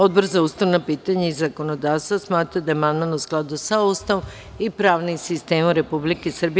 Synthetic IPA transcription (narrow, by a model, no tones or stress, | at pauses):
o̞d̪̚boɾzauːst̪aʋnapiːt̪aɲaizːako̞nod̪aːʋst̪ʋasmaːt̪ɾad̪ajemanmanousklˠad̪usaust̪aʋom | ipɾaːʋnisist̪e̞ːmuɾe̞publikesr̩bi